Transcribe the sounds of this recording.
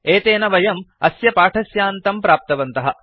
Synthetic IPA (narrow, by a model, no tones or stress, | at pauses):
eːt̪eːnɐʋɐjɐmɐsjɐpaːʈʰɐsjaːnt̪ɐmpɾaːp̚t̪ɐʋɐnt̪ɐɦɐ̆